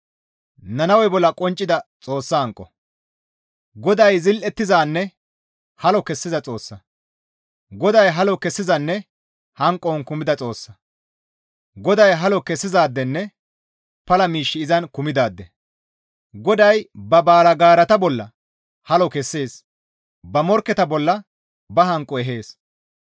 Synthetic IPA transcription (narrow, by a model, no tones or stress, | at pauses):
nɐnɐwɛbɔlːɐkʼɔnt͡ʃʼːɪd̪ɐt͡sʼoːsːɐɐŋkʼːɔ | ɡɔd̪ɐjzɪlʔɛt̪ːɪzaːnːɛ | hɐlɔkɛsːɪzɐt͡sʼo̞ːsːɐ | ɡɔd̪ɐjɦɐlɔkɛsːɪzɐnːɛ | hɐŋkʼːɔnkʊmɪd̪ɐt͡sʼo̞ːsːɐ | ɡɔd̪ɐjɦɐlɔkɛsːɪzaːd̪ːɛnːɛ | pɐlɐmiːʃːɪɪzɐnkʊmɪd̪aːd̪ːɛ | ɡɔd̪ɐjbɐbaːlɐɡaːɾɐt̪ɐbɔlːɐ̰ | hɐlɔkɛsːe̞ːs | bɐmɔɾkːɛt̪ɐbɔlːɐ | bɐɦɐŋkʼːɔɛɦe̞ːs